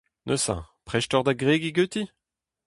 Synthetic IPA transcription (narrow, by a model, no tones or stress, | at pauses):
nʔøsã̰pχɛʃtɔʁd̪aɡʁeɡiɡøt̪i